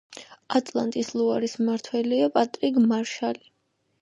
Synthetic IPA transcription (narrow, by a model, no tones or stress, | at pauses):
at̪ʼlˠa̰nt̪ʼislˠuaɾismaɾt̪ʰwɛliapʼat̪ʼɾiɡmaɾʃali